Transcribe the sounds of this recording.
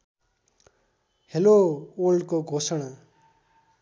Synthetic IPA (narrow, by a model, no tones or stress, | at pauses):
heloolɖkoɡʱosʌɽ̃a